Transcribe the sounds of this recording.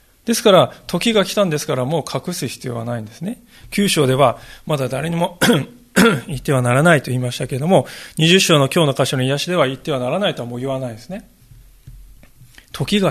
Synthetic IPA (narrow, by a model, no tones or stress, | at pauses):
d̪̥e̞sɨ̥kaɾat̪ʰo̞kʲiɡakʲi̥t̪ãnd̪e̞sɨ̥kaɾamo̞ːkʰakɯ̟sɨçʲi̥t͡sɨijo̞βa̰naĩnd̪e̞sɨne̞ | kʲɨːɕo̞ːd̪e̞βamad̪ad̪aɾe̞ɲ̟imo̞ | it̪ːe̞β̞anaɾanait̪o̞iːmaɕi̥t̪ake̞ɾe̞d̪o̞mo̞ɲ̟iʑɨɕːo̞ːno̞kʲo̞ːno̞kaɕonoijaɕid̪e̞βait̪ːe̞β̞anaɾanait̪o̞amo̞ːjiβanaid̪esɨne̞ | t̪ʰo̞kʲiɡa